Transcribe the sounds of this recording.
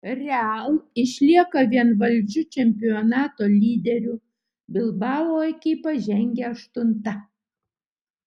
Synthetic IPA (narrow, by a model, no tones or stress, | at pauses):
ɾʲɛɐlˠɪʃʲlʲiɛkɐʋʲiɛnʋɐlʲd͡ʒʲʊt͡ʃʲɛmʲpʲɪɔnɑːt̪oːlʲiːd̪ʲɛɾʲuː | bʲɪlˠbɑːʋˠoːɛkʲɪɪpɐʒʲɛŋʲɡʲɛɐʃt̪ʊnt̪ɐ